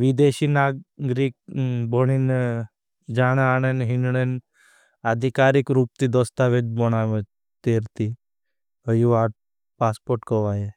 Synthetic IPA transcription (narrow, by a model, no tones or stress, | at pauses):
ʋid̪eʃiːnaːɡɡɾik̚bɔɳ̃in | d͡ʒaːɽ̃aɽ̃enɦinɳen | ad̪ʱikaːɾikɾuːp̚t̪id̪ɔst̪aʋed͡ʒbɔɽaʋə | t̪eːɾt̪i | əjuaʈ | paːspoɾʈkɔʋaje